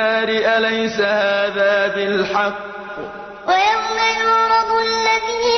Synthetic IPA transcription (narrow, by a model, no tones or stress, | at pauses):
aːɾɪʔalajsahaːðaːbɪlħɑqː | wajawmajʊɾɑd̪ˤalːaðiː